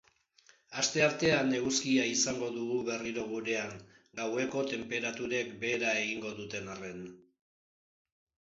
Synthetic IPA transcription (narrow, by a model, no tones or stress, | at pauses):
ast̪e̞aɾt̪e̞ane̞ɣuskiaisaŋɡo̞ðuɣuβe̞riɾo̞ɣ̞uɾe̞aŋ | ɡawe̞ko̞t̪e̞mpe̞ɾat̪uɾe̞kbe̞ːɾae̞ɣiŋɡo̞ðut̪e̞nare̞n